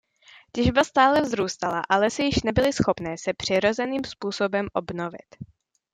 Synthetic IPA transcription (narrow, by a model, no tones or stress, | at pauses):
cɛʒbast̪aːlɛvzɾuːst̪alaʔalɛsɪjɪʃnɛbɪlɪsxo̞pnɛːsɛpr̝̥ɪɾo̞zɛniːmspuːso̞bɛmʔo̞bno̞vɪ̰t̪